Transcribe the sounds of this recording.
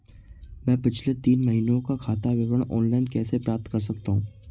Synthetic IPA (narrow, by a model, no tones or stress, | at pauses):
mɛ̃ːpɪt͡ʃʰlet̪iːnmɐɦinõkakʰaːt̪aʋɪbəɽ̃ɔ̰ːnlaːɪnkɛːsepɾaːp̚t̪kɐɾs̬ɐk̚t̪aɦũː